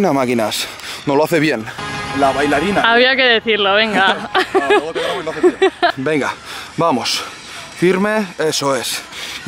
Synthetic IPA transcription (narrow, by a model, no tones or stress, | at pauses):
namakinas | noloaθeβje̞nlaβajlaɾinaaβiake̞ðeθiɾloβ̞eŋɡa | aelaθebe̞ŋɡabamos | fiɾme̞e̞soe̞s